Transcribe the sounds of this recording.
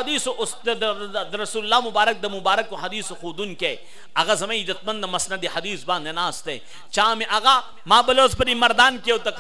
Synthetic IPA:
ɐd̪iːsoʔsd̪ɾɐsuːllːaːmʊbaːɾɐk̚d̪ɐmʊbaːɾɐkːoɦɐd̪iːsoxuːd̪unke | ɐɣazɐmẽid̪ɐt̪̚mɐnd̪ɐmɐsnɐd̪ehɐd̪iːsbãːnɐnaːst̪ḛː | t͡ʃaːmẽʔɐɣaː | mãːbɐloːzpɐɾimɐɾd̪aːnkeot̪ɐk

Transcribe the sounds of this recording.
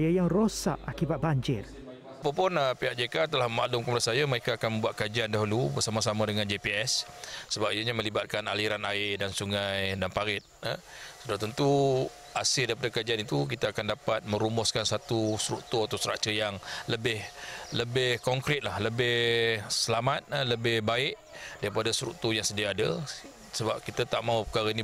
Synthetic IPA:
jajaŋrosa̰ʔakibat̪̚baɲd͡ʒɪr | apapʊnəpiaʔ̚d͡ʒekat̪əlahmaʔlʊmkəmudasajaməɾekaːkanmə̃mbuwat̪̚kad͡ʒiandaɦulubərsamasamadəŋand͡ʒepiɛsː | əbap̚ijəɲamə̃libat̪̚kanaliɾanaɪdansuŋajdanpaɾɪt̪̚ə | sudaht̪ənt̪u | asɪldaɾipadakad͡ʒianit̪uk̬it̪aːkandapat̪̚mə̃ɾumɔskansat̪usɾuʔt̪uat̪awsəɾa̰ʔt͡ʃəjaŋləbɪhləbɪhkɔŋkɾɪt̪̚lahləbɪhsəlamat̪̚ləbɪhbaɪʔ | daɾipadasɾuʔt̪ujaŋsədiaːda | səbap̚kit̪at̪aʔmãupəkaɾaini

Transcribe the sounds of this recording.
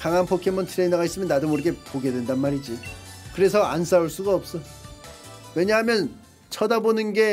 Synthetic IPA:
kaŋanpʰokʰemʌntʰɯɾe̞inʌɡais͈ɯmjʌnːadɯmuɾeɡe̞poɡe̞dwe̞ndanmaɾid͡ʑi | kɯɾe̞s̬ʰʌans͈auɭs͈uɡaʌp̚s͈ʌ | we̞ɲaɦamjʌn | t͡ɕʰʌdabonɯnɡe̞

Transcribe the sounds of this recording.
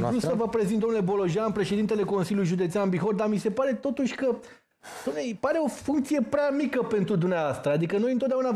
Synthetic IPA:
usəvəpɾe̞zint̪omnule̞bo̞lo̞ʒianpɾe̞ʃed̪int̪ele̞ko̞nsiljuljʒud̪e̞t̪seanbixot̪d̪amise̞paɾe̞t̪o̞t̪uʃʲkə | d̪oejpaɾe̞o̞fuŋkt̪sije̞pɾeamikəpe̞nt̪ɾud̪umneavast̪ɾəad̪ikəno̞jɨnt̪ot̪d̪auna

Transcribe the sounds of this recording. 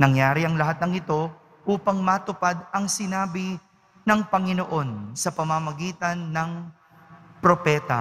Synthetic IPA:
nɐŋjaːɾɪɐŋlɐɦat̪̚nɐŋɪt̪o̞ | ʔuːpɐŋmɐt̪ʊpad̪ɐŋsɪnaːbɪ | nɐŋpɐŋɪnoʔo̞nsɐpɐmɐmɐɡiːt̪ɐnːɐŋ | pɾo̞pɛːt̪ɐ̰

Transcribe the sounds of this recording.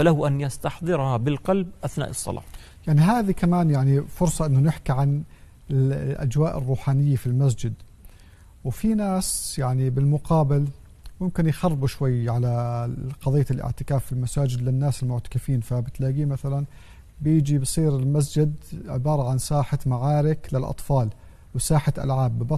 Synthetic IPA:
falahʊʔanjast̪ɑħd̪ˤɨɾhabɪlqɑlbʔaθna̰ːʔɨsˤːɑ̰lɑ̰ː | jaʕniɦaːðikamaːnjaʕnifʊɾsˤɑʔɪnːʊnɪħkiʕan | ɪʔa̰d͡ʒwaːʔɪ̰rˤːuːħaːnɪjːafilmas̬d͡ʒɪd̪ | wfinaːsjaʕnibɪlmʊqɑːbɪl | wjɪmkɪnjxɑrˤːbuʃwajːʕalaqɑðˤɨjːalʔɪ̰ʕt̪ɪkaːfːɪlmasaːd͡ʒɪd̪lɪnːaːsɪlmʊʕt̪ḁkɪfiːnfabɪt̪laːɡiːmaθalan | bjɪd͡ʒibsˤiːɾɪlmas̬d͡ʒɪd̪ʕɪbɑːɾˤɑʕansaːħamaʕaːɾɪklɪlʔɑ̰t̪ˤfɑːl | wsaːħat̪ʔa̰lʕaːbːɪbɑ

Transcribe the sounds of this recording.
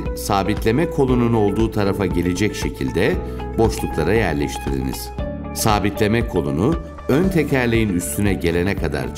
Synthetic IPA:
saːbit̪lʲe̞mɛkʰo̞lˠununo̞lˠd̪uːt̪ʰaɾafaɟe̞lʲe̞d͡ʒɛcʃe̞cʰilʲd̪ɛ | bo̞ʃlˠuklˠaɾajæɾlʲɛʃt̪ʰiɾḭnḭz̥ | saːbit̪lʲe̞mɛkʰo̞nˠunu | ønt̪ʰe̞cʰæɾlʲejinyst̪ʰynɛɟe̞lʲe̞nɛkʰad̪a̰ɾ

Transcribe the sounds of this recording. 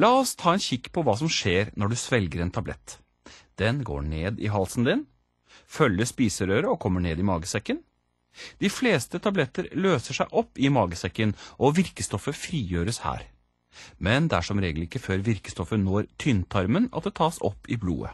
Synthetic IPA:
lɑːɔst̪ʰɑːɛnçɪkːpʰɔʋɑːs̬ɔmʂeːɾnɔɖʉsʋɛlɡəɾɛnt̪ʰɑblɛ̰t̪ː | d̪̥ɛnɡo̰ːɳeːd̪ɪ̰ɦɑlsn̩d̪ɪn | fœlːəspiːsəɾøːɾəɔkʰɔmːəɳeːd̪ɪmɑːɡəsɛkːən | d̪̥ɪfleːst̪ət̪ʰɑblɛt̪ːəɾløːsəʂæɪʔɔpːɪmɑːɡəsɛkːənʔɔʋɪɾkəst̪ɔfəfɾiːjøːɾəshæ̰ːɾ | mɛnd̪æʂɔmɾeːɡəl̩ɪkːəføːɾʋɪɾkə̥st̪ɔfənoːɾt̪ʰʏnt̪ʰɑɾmənɑ̰t̪̚d̪ɛt̪ʰɑːsɔ̰pːɪblṵːə̰

